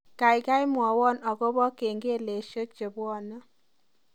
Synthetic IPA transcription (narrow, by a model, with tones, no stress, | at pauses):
ka˨jka˦jmwɔ˨wɔ˦nɔ˨kɔ˦bɔ˦ke˨ŋɡe˦le˨ʃə˦k̚t͡ʃe˨bwɔ˦˨nə˦